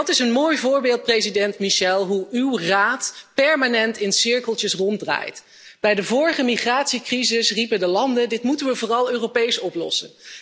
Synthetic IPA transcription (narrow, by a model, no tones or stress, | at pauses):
tɪsənmoːjvʊːɹbeːlˠt̚prejzidɛntmiʃɛlˠɦuywraːtpɛɹmaːnɛntɪnsɪɹkəlˠtjəsrɔndra̰ːjt | b̥ɛjdəvʊːɹəχəmiχraːtsikrizɪsripədəlɑndədɪtmutənʋəvʊːrɑlˠøːropejsɔplɔ̰sən